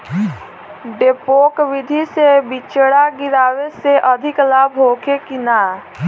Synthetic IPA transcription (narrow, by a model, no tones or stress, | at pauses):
ɖepoːkʋɪd̪ʱisebit͡ʃəɽaɡɪɾaːweseʔəd̪ʱɪklaːbɦoːkʰekina